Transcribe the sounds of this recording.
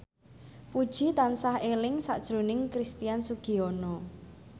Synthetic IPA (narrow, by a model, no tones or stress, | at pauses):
pud̥ʒ̥i̤t̪ansahelɪŋsa̰ʔd̥ʒ̥ɾo̤nɪŋkɾist̪ijansuɡ̥i̤onɔ